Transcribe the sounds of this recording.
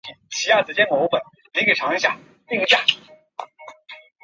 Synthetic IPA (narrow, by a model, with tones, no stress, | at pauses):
i˨˩t͡ɕʰi˧˥ja˥˩t͡sɹ̩˨˩t͡ɕjɛ˥nmo˧˥pə˨˩˦n | li˧˥ŋke˨˩ʈ͡ʂʰɑ˧˥ŋi˧˥ɕja̰˥˩ | pi˥˧ŋ˧˥t͡ɕja˥˩